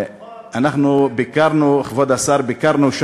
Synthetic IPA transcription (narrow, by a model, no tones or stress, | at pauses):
anaχnubekaɾnuχvɔd̪asaɾbɪkaɾnuʃ